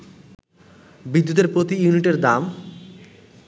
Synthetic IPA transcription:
bid̪ːut̪eɾpɾot̪ijuniʈeɾd̪am

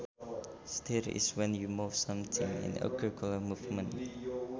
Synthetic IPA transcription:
stiɾḭswɛ̃njumufsãmt̪ʰĩŋḭ̃nə̰kɹikɔləmuvmə̃n

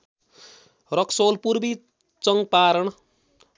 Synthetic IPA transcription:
rʌksolpurbi | t͡sʌŋɡpaɾʌɳ

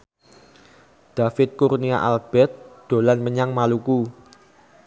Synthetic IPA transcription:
d̪̥a̤fɪt̪̚kurnia̰ʔalb̥ɛt̪̚d̪̥o̤lanməɲaŋmaluku

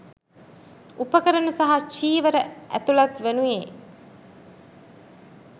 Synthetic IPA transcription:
upəkəɾənusaɦat͡ʃiːʋəɾəʔæ̰t̪ulat̪ʋenujḛː

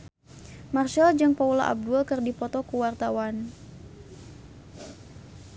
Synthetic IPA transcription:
marʃald͡ʒɨŋpaula̰ʔa̰b̚dulkɨrdipɔt̪ɔkuwart̪awan

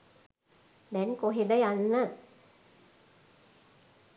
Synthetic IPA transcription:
d̪ɛŋkoɦed̪əjanːə

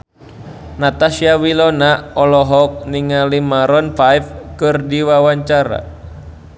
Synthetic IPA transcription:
nat̪asiawilɔnaɔlɔɦɔk̚niŋalimaɾɔnfajfkɨrdiwawaɲt͡ʃaɾa̰

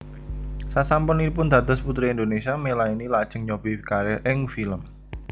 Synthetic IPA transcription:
sasampʊnipʊnd̪ä̤d̪ɔ̤sput̪ɾiind̪onesiamelainilad̥ʒ̥ə̤ŋɲob̥ikaɾɛʔɪŋfiləm

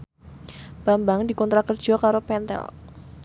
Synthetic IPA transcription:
b̥a̤mbaŋdikɔnt̪ɾakərd̥ʒ̥ɔ̤kaɾopɛnt̪ɛ̰l

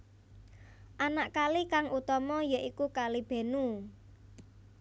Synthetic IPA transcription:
ʔanaʔkalikaŋut̪ɔmɔjaʔikukalib̥e̤nu

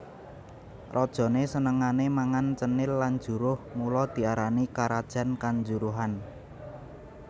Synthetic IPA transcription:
rʔɔd̥ʒ̥ɔ̤nesənəŋanemaŋant͡ʃənɪlːan̥d͡ʒ̥ṳɾʊhmulɔd̪̥i̤aɾanikaɾad̥ʒ̥a̤nkaɲd͡ʒuɾuɦan

